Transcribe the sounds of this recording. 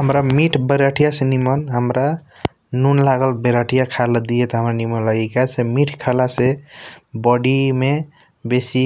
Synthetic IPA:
ɦəmɾamiʈʰbəɾaʈʰijasenimənɦəmɾa | nunlaɡəlbeɾaʈʰijakʰald̪ijet̪ɔɦəmɾanimənləɡikasʰemiʈʰkʰalase | bɔɽime | besi

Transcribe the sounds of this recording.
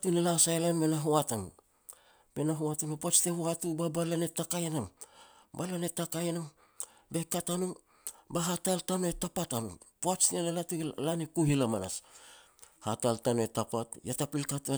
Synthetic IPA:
tunelasajlanbenaɦoatan | be̞naɦoatanopat͡ʃtehuatubabalanetakajnam | balanetakajnam | bekatanu | baɦataltanoetapatanṵpat͡ʃnienalatulanikuɦilamana̰s | hataltanoetapatjatapilkatua

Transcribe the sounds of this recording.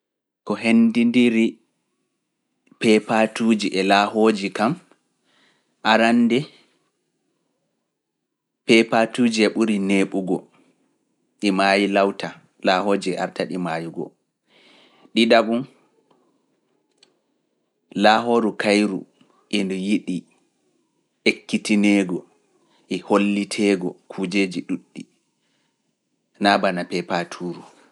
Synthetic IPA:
kɔɦendindiɾi | pɛpatuːd͡ʒiʔɛlaːhoːd͡ʒikam | ʔaɾanːdɛ | pɛpatuːd͡ʒiɛɓuɾineːɓuɡɔ̰ | ɗimajilawta | laːhoːd͡ʒiɛha̰ɾtaɗimaːjiɡɔ̰ | ɗidaɓun | laːɦoːɾukajɾṵ | ʔɛndɔjiɗi | ʔekːitinɛːɡɔ | ʔɛholːitʰɛːɡɔkʰuːd͡ʒeːd͡ʒiɗuɗːi | nabanapɛpatʰuːɾu

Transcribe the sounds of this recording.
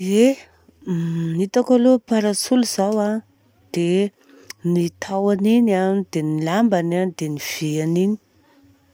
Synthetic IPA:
e | nit̪akalopaɾat͡suluz̥awa | d̪̥e | nit̪ʰawaninad̪enilambanad̪eniv̥eanini̥

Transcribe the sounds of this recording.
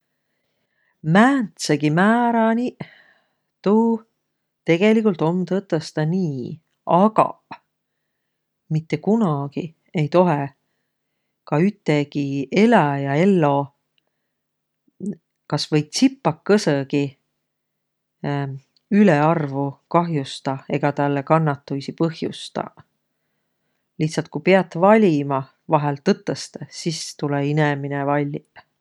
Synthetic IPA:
mæːnt̪seɡ̥imæːɾɑni | t̪uː | t̪e̞ɡ̥e̞likult̪ˑo̞mːt̪ɤt̪ːˑost̪ɑniː | ɑɡ̥ɑ̰ | mit̪ːe̞kunɑɡ̥i | e̞jt̪o̞ɦe | kɑyt̪ːˑeɡie̞læjɑe̞lːo̞ | kɑsvɤ̞jt̪sipːɑkːɤsɤɡi | yleɑrvukɑɦjust̪ɑe̞ɡ̥ɑt̪ɑlːekɑnːɑt̪ːujsipɤhjṵst̪ɑ̰ | liht̪sɑlt̪̚kupeɑt̪ːˑvɑlʲimɑ | vɑɦelt̪ɤt̪ːˑəst̪esist̪uleineminevɑlʲːi

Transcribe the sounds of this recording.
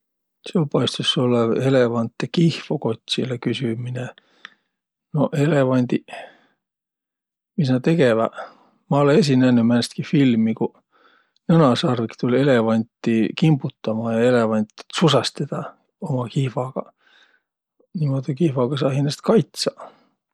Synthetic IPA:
seopɑjst̪usolːɑelevɑnt̪ːˑekihfokot̪ʲːsilekysymine | noʔelevɑnʲd̪̥i | mis̬nɑt̪e̞ɡevæ̰ | mɑolees̬ʲinænːymænst̪kifilmiku | nɤnɑsɑrvikt̪ulʲe̞levɑnʲt̪ːikimbut̪ːɑmɑjɑe̞levɑnʲt̪susɑst̪ed̪ɑ | omɑkihfɑɡ̥ɑ̰ | nimod̪ikihvɑɡ̥ɑsɑːhinest̪kɑjt̪sɑ

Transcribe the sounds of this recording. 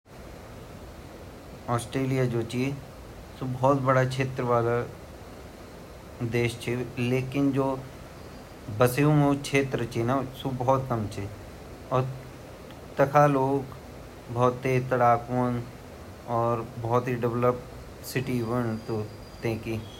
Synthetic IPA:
ɔːsʈɾeːlijad͡ʒoːt͡ʃi | subɔːt̪̚bɐɽakʰeːt̪ɾəʋaːla | d̪eːʃt͡ʃʰeleːkɪnd͡ʒoː | bɐseũɦõːkʃʰeːt̪ɾət͡ʃʰinasubɔɔt̪kɐmt͡ʃʰe | ɔːɾ | t̪ɐkʰaloːɡ | bɔːt̪ːeːt̪ɐɽaːkoːn | ɔːɾbɔːt̪ɦiɖɪʋləp̚ | sɪʈiʋənt̪o | t̪ẽːki

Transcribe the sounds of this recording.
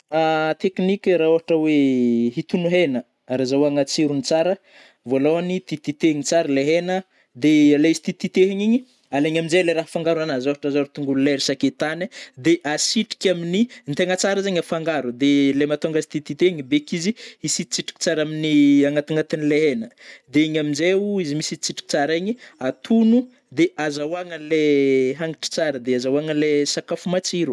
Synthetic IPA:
at̪eknikʲɾaoɦaʈ͡ʂəweɦit̪unuɦenə | aɾazawaŋat͡siɾunit͡saɾə | voloanit̪it̪it̪eɲit͡saɾəleɦenə | d̪ealeizi̥t̪it̪it̪eɦiɲiɲi | aleɲaminzeleɾaɦfaŋɡaɾuanazoɦaʈ͡ʂəzaɾit̪uŋɡululeɾisaket̪anad̪eʔasiʈ͡ʂi̥kʲaminint̪eŋət͡saɾəzaɲafaŋɡaɾud̪elemat̪oŋɡasi̥t̪it̪it̪eɦiɲibekiziisit͡siʈ͡ʂi̥ki̥t͡saɾaminiaŋat̪aŋat̪inileɦenəd̪eiɲaminzeuizimisit͡siʈ͡ʂi̥ki̥t͡saɾaɲiat̪ʰunu | d̪eʔazawaŋəleɦaŋiʈ͡ʂi̥t͡saɾəd̪eazawaŋəlesakafumat͡siɾu

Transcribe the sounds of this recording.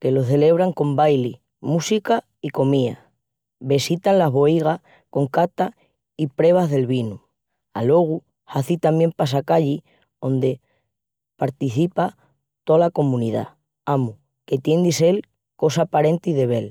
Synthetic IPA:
ke̞lo̞θe̞le̞β̞ɾaŋko̞mbajli | musika | iko̞mia̰ | βe̞sit̪anlazβo̞iɣ̞a | ko̞ŋkat̪a | ipɾe̞β̞azðe̞lβinu | alo̞ɣ̞u | haθit̪amje̞mpas̬akaʎi | o̞nd̪e̞ | paɾt̪iθipa | t̪olako̞mũniða̰ | amu | ke̞t̪je̞nd̪ise̞l | ko̞sapaɾe̞nt̪iðe̞β̞e̞l

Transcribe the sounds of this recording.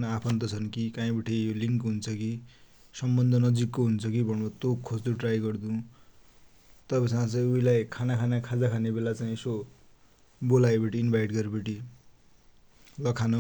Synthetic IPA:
napʰʌnt̪ʌt͡sʰʌnkikãĩbʌʈʰijoliŋkɦunt͡sʰʌki | sʌmbʌnd̪ʱʌnʌd͡zikːoɦunt͡sʰʌkibʱʌnʌbʌt̪okʰːod͡zt̪uʈrajɡʌrd̪ũ | t̪ʌpasãt͡sʌj̃uilajkʰanakʰanakʰad͡zakʰanebelat͡saĩeso | bolajbʌʈiːnbʱajʈɡʌɾbʌʈi | lʌkʰana

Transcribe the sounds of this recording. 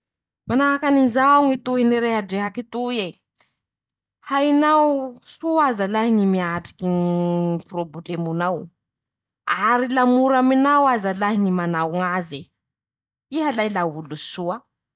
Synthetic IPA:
manaɦakaninzauŋit̪uɦiniɾeɦaɖ͡ʐeɦakit̪ue | hainawsuazalaɦinimiaʈ͡ʂi̥kiniproblemunaw | aɾilamuɾaminawazalaɦnimanawŋaze | iɦalajlaulusua

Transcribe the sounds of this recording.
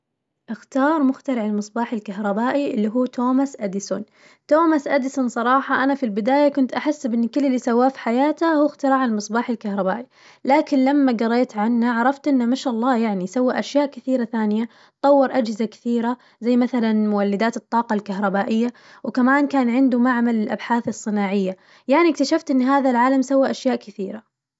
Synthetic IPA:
ʔɪxt̪ɑːɾˤmʊxt̪aɾɪʕalmɨsˤbɑːħɪlkaɦɾˤɑbaːʔiʔɪlːiɦuːt̪ʰoːmasʔad̪ɪsʊn | t̪oːmasʔad̪ɪsʊnsˤɑɾˤɑːħɑʔanafilbɪd̪aːjakʊnt̪ʔaħɪsːbʔɪnːkɪlːɪlːiːsawːaːfi̥ħajaːt̪ahuːxt̪ɪɾˤɑːʕalmɨsˤbɑːħɪlkahɾˤɑbaːʔi | laːkɪnlamːaɡɑrˤːeːt̪ʕanːaʕɑɾˤɑft̪ʔɪnːamaʃʔɑlˤːɑːjaʕnisawːaʔaʃjaːʔkɪθiːɾaθaːnɪja | t̪ˤɑwːɪɾˤʔad͡ʒhɪzakɪ̥θiːɾa | zajːmaθalanmʊwalːɪd̪aːt̪ɨt̪ˤːɑːqɑlkaɦɾˤɑbaːʔɪjːa | wɪkamaːnkaːnʕɪnd̪ʊmaʕmalɪlʔa̰bħaːθɨsˤːɨnaːʕɪjːa | jaʕnikt̪aʃaft̪ʔɪnːɦaːðalʕaːlamsawːaʔaʃjaːʔkɪθiːɾa

